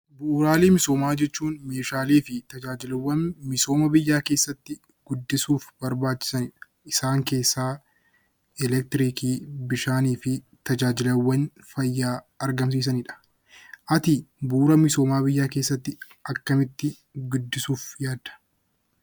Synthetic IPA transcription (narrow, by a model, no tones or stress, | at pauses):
buːɾaːleːmɪso̞ːmaːd͡ʒɛt͡ʃːuːnme̞ːʃaːliːfɪt̪ɐd͡ʒaːd͡ʒɪlwɐmɪso̞ːmɐbɪjːaːke̞ːsːɐt̪ːɪ | ɡ̥ʊd̪ːɪsuːfbɐɾbaːt͡ʃːɪ̥sɐnɪᶑɐ | ɪsaːŋke̞ːsːaː | ɛlɛk̚t̪ɪɾiːkiːbɪʃaːniːfɪ | t̪ɐd͡ʒaːd͡ʒɪlɐwːɐn | fɐjːaː | ɐɾɡɐms̬iːs̬ɐnɪᶑɐ̥ | ʔɐt̪ɪbuːɾɐmɪso̞ːmaːbɪjːaːke̞ːsːɐt̪ːɪ | ʔɐkːɐmɪt̪ːɪ | ɡʊd̪ːɪsuːfjaːd̪ɐ̥